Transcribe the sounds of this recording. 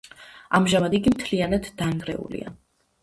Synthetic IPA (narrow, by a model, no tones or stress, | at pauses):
amʒamad̪iɡimt̪ʰlianad̪ːaŋɡɾɛ̰ṵlḭa̰